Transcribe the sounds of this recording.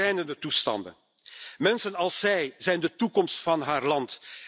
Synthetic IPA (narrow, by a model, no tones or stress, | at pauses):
ɛjnəndətustɑ̰ndə̰n | mɛnsənɑlˠsːɛjzɛjndətukɔmstfɑnɦaːrlɑnt